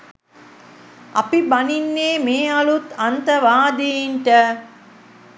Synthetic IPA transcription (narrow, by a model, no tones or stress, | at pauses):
ʔɐ̰pibɐninːeːmeːɐlut̪ɐnt̪əʋaːd̪ijinʈə